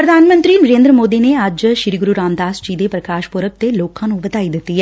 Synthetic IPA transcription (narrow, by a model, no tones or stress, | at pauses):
pɾɐd̪ʱaːnmə̃nt̪ɾiːnɐɾeːnd̪ɾəmoːd̪ineɐd͡ʒʃɪɾiɡʊɾuɾaːmd̪aːsd͡ʒiːd̪epɾɐkaːʃpoɾək̚t̪eloːkʰãnũbɐt̪aːid̪ɪt̪ːiɦɛː